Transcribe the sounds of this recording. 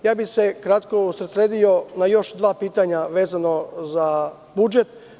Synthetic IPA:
jaːbise̞kɾat̪ko̞usɾt̪sɾeːd̪ijo̞najo̞ʃd̪ʋaːpiːt̪aɲaʋe̞ːzano̞za | bud͡ʒe̞t̪

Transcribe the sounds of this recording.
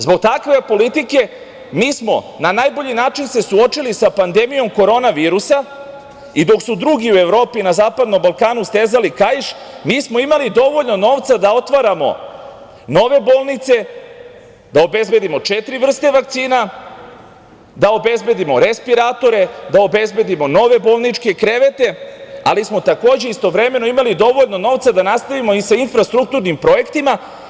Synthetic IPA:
zbo̞ɡ̚t̪akʋe̞po̞lit̪ike̞ | miːsmo̞̰ | nanaːjbo̞ʎinaːt͡ʃinse̞suo̞t͡ʃilisapand̪e̞mijo̞mko̞ɾo̞naʋiːɾusa | id̪o̞ksud̪ɾuɡiue̞ʋɾo̞ːpinazaːpad̪no̞mbalˠkaːnust̪eːzalikajiʃ | miːsmo̞imalid̪o̞ʋo̞ʎno̞no̞ːʋt̪sad̪aot̪ʋaɾamo̞̰ | no̞ʋe̞bo̞ːlˠnit̪se̞ | d̪aobe̞zbe̞d̪imo̞t͡ʃet̪ɾivr̩st̪e̞ʋak̚t̪siːna | d̪ao̞be̞zbe̞d̪imo̞ɾespiɾaːt̪o̞ɾe̞d̪aobe̞zbe̞d̪imo̞no̞ʋe̞bo̞ːlˠnit͡ʃke̞kɾe̞ʋe̞t̪e̞a̰lismo̞t̪ako̞ːd͡ʑe̞ist̪o̞ʋɾe̞me̞noimalid̪o̞ʋo̞ʎno̞no̞ʋt̪sad̪anast̪aʋimoisainfɾast̪ɾuk̚t̪uɾnimpɾo̞je̞kt̪ima

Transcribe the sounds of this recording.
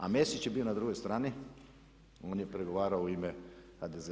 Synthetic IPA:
a̰mesit͡ʃjebiːonad̪ɾuɡojst̪ɾaːni | oːnjepɾeɡoʋaːɾaouimexad̪ez

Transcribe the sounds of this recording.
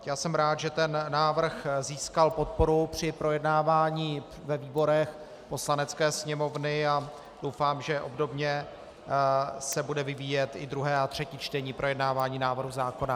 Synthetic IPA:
jaːsɛmɾaːt̪ʒɛt̪ɛnːaːvr̩xziːskalpo̞t̪̚po̞ɾupr̝̥ɪpɾo̞jɛdnaːvaːɲiː | vɛviːbo̞ɾɛx | po̞slanɛt͡skɛːsɲɛmo̞vnɪa | d̥o̞wfaːmʒɛʔo̞bdo̞bɲɛ | sɛbudɛvɪviːjɛt̪ɪd̪ɾuɦɛːat̪r̝̥ɛciːt͡ʃt̪ɛɲiːpɾʔo̞jɛdnaːvaːɲiːnaːvr̩ɦuzaːko̞na

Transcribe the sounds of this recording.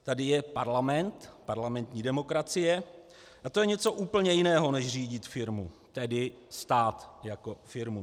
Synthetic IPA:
t̪adɪjɛpaɾlamɛnt̪paɾlamɛnt̪ɲiːdɛmo̞kɾat͡sɪjɛ | ʔat̪o̞jɛɲɛt͡so̞ʔuːpl̩ɲɛjɪnɛːɦo̞nɛʃr̝iːɟɪt̪fɪɾmṵt̪ɛdɪ | st̪aːt̪jako̞fɪɾmu

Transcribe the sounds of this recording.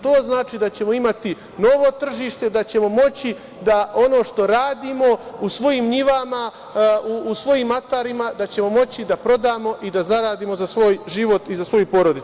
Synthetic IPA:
t̪o̞ːznaːt͡ʃiːd̪at͡ɕe̞mo̞imat̪i | no̞ʋo̞t̪r̩ʒiːʃt̪e̞d̪at͡ɕe̞mo̞mo̞t͡ɕi | d̪ao̞no̞ːʃt̪o̞ɾaːd̪iːmo̞usʋo̞jiːmɲiʋama | uːsʋo̞jiːmat̪aɾimad̪at͡ɕe̞mo̞mo̞t͡ɕid̪apɾo̞d̪aːmo̞ʔid̪azaɾaːd̪iːmo̞zasʋo̞ːjʒiʋo̞t̪izasʋo̞jupo̞ɾod̪i

